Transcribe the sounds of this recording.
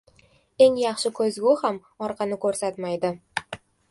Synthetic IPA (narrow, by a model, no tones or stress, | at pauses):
e̞ŋjɑχʃɪkʰɵzɡʲʊham | ɒɾqʰɑnɪkʰɵɾsat̪majd̪ɪ